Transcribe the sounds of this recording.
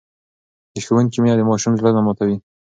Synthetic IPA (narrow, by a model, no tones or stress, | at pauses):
d̪əxəwənkimijad̪əmɑʃumzlanamɑt̪awi